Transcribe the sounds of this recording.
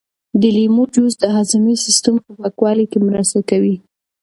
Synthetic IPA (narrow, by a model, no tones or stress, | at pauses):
d̪əlimod͡ʒuzd̪əɦazamisɪst̪əmpəpakwɑlikemɾəst̪akawi